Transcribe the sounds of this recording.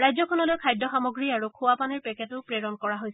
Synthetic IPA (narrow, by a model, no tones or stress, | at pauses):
ɹajzɔkʰɔnɔlojkʰajdɔxamɔɡɹiaɹukʰʊwapanɛɹpɛkʰɛtʊpɹeɹɔnkɔɹaɦojs